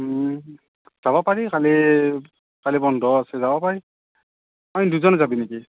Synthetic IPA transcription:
z̥abɔpaɹikali | kalibɔndʱɔasɛzabɔpaɹi | ajduzɔnzabineki

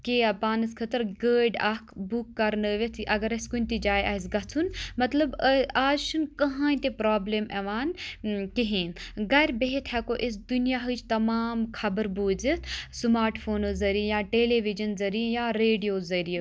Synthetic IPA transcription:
kiɐpaːnɨskʰɐt̪əɾɡəːɖɐkʰbukːɐɾnəːʋʲet͡s̪ʰiʔɐɡɐɾɐskunʲt̪id͡ʒaːjɐs̬ɡɐt͡sʰunmɐt̪lɐbaːzʃʰunkɐɦãːĩt̪epɾaːbleːmɛʋaːnkiɦĩːnɡɐɾʲbeɦet̪ʰɛkoːʔis̬d̪unijaɦɨt͡ʃʰt̪ɐmaːmkʰɐbəɾbuːd͡zit̪smaːɾʈfʰoːnozɐɾiijãːʈeːleːʋid͡ʒɐnzɐɾiejaːɾeːɖijoːzɐɾie

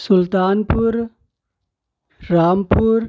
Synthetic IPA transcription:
sʊlt̪aːnpuɾ | aːmpuɾ

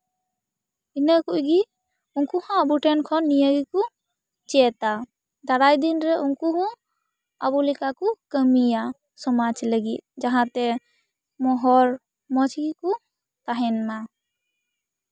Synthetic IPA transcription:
inəkuʔɡi | uŋkuhãːbuʈɛnkʰɔnːijəɡiku | t͡ʃɛt̪a | d̪aɾajd̪inɾɛʔuŋkuɦɔ̃ | abulikakukəmija | sɔmad͡ʒləɡit̪̚d͡ʒaɦãt̪ɛ | mɔɦɔɾ | mɔd͡ʒʰɡiku | t̪aɦɛnma

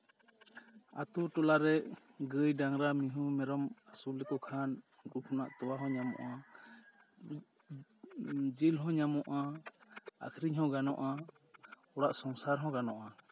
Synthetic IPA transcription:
a̰t̪uʈɔlaɾɛʔ | ɡəjɖaŋɾamiɦũmɛɾɔmasulɛkɔkʰan | ɡukʰɔnaʔt̪ɔwaɦɔ̃ɲamɔ̰ʔa | d͡ʒilɦɔ̃ɲamɔʔa | a̰kʰɾiɲɦɔ̃ɡanɔ̰ʔa | ɔɽaʔsɔŋsaɾɦɔ̃ɡanɔʔa

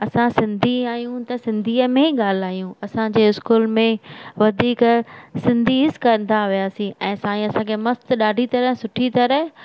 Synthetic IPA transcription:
ɐsãsɪ̃nd̪ʱiaːjũt̪ɐsɪ̃nd̪ʱiːəmẽɠaːl̤aːijũɐsãd͡ʑeːɪskuːlmẽʋɐd̪ʱiːksɪ̃nd̪ʱiɪskɐnt̪ʰaʋijaːsĩʔɛ̃ːsãːĩɐsãːkʰeːmɐst̪ɗaːɖʱit̪ɐɾəɦsʊʈʰit̪ɐɾəɦ

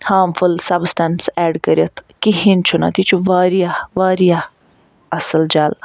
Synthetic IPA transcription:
haːmfulsɐbsʈɐnsɛːɖkɐɾʲjɐt̪ʰkiɦint͡ʃʰuna̰t̪ʰit͡ʃʰuʋaːɾijaʋaːɾija | ɐsəld͡ʒaːl

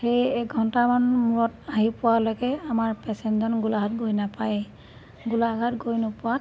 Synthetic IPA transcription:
xejɛɡʱɔntamanmuɹɔtaɦipʊwalɔkɛamaɹpɛsɛnzɔnɡulaɦatɡojnapaj | ɡulaɡatɡojnʊpʊwa

